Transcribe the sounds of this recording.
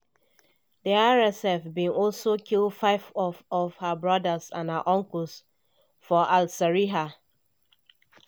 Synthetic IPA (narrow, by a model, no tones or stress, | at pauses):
diaɹɛsɛfbĩnɔlsokʰildfaɪvɔvɔv̥həbɹɔdəzã̰nhə̰ʔɔ̃ŋkl̩s | fɔʔalsɛɹiɦa